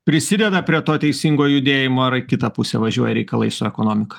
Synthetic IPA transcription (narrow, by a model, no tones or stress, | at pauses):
pʲɾʲɪsʲɪd̪ʲɛd̪ɐpʲɾʲiɛt̪oːt̪ʲɛɪsʲiŋɡoːjʊd̪ʲeːjɪmoːɐɾɪkʲɪt̪ɐpʊsʲɛ̰ʋɐʒʲuɔjɛɾʲɛɪkɐlˠɐ̰ɪsʊɛkonoːmʲɪkɐ̥